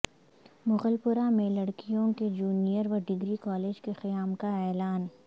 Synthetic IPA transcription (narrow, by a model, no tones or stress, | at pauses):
mʊɣəlpʊɾamẽlɐɽkijõked͡ʒuːnijəɾʋɐɾɖɪɡɾikɔːleːd͡ʒkexɪjaːmkaɛːlaːn